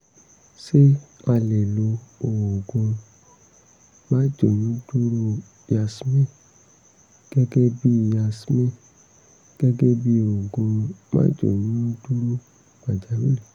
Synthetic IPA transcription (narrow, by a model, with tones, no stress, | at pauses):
ʃe˦a˧lɛ˨lo˧o˨wo˨ɡõ˧ | mã˦d͡ʒo˨nĩ˨˦du˦ɾu˦ | a˧smẽ˦˨ | ɡ̥ɛ˦ɡɛ˦bi˦˨ja˧smẽ˦˨ | ɡ̥ɛ˦ɡɛ˦bi˦o˨ɡõ˧mã̰ː˦d͡ʒo̰˦˨nĩ˦nõ˦du˦ɾu˦ | ma˨d͡ʒa˨˦mi˦lɛ˨